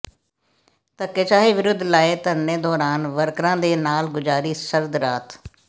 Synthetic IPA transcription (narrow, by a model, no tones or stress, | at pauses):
t̪əkːeːt͡ʃaːiːʋɪɾʊd̪ʱːlaːeːt̪ənːeːd̪ɔːɾaːnʋəɾkɾãːd̪eːnaːlɡʊd͡ʒaːɾiːsəɾd̪ɾaːt̪